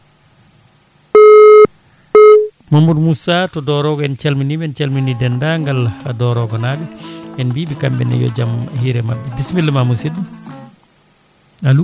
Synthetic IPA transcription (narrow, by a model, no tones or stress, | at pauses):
mamudmusatɔdɔɾɔɡɔɛnt͡ʃalminibɛnt͡ʃalminidɛndaŋɡaladɔɾɔɡɔnabiʔɛnbibikambɛ̰nɛ̰jɔ̰d͡ʒamhiɾɛma̰bːɛbismilːɛmamusid | alu